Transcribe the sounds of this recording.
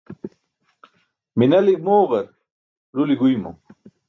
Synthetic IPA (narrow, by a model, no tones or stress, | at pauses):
minɐlik̚moːʁɐɾ | ɾuliɡujmo̰